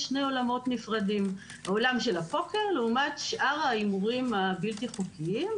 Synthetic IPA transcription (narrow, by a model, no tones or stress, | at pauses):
ʃne̞jo̞lamo̞tnifʁadim | olamʃelapokeʁleumatʃʔaʁaimuʁimabiltiχukiim